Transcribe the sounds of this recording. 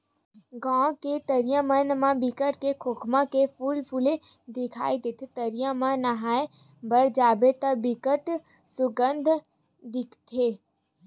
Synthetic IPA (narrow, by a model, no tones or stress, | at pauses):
ɡãːket̪əɾijãmənmãbɪkəʈkekʰokʰmãkepʰuːlpʰule | d̪ɪkʰa̰ːid̪ɪt̪ʰt̪əɾijãmãnaɦaːe | bɐɾd͡ʒaːbet̪ɐbikəʈ | sʊɡənd̪ʱ | d̪ɪkʰt̪ʰeː